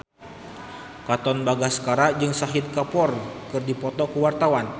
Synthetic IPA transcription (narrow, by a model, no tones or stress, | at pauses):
kat̪ɔnbaɡasə̥kaɾad͡ʒɨŋsaɦɪd̪̚kapɔrkɨrdipɔt̪ɔkəwart̪awan